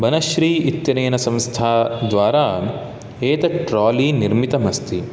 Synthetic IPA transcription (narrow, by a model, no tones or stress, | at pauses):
bɐnɐʃɾiːit̪jɐɾeːnɐsɐ̃mst̪ʰaːd̪ʋaːɾaː | eːt̪ɐʈɾaːliːniɾmit̪ɐmɐst̪i